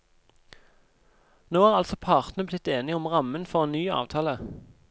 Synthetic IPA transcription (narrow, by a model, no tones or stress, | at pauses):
noːæːʁɑlsɔpʰɑːʁt̪n̩əblɪt̪eːnɪɔmʁɑmənfɔʁeːnyːɑ̰ːʋt̪ʰɑːlə